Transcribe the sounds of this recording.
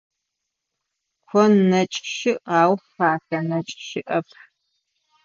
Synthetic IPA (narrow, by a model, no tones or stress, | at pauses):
kʷʰɔnɐt͡ʃʼʃɪʔɑːwfaːɬɐnɐt͡ʃʼʃɪʔɐpʰ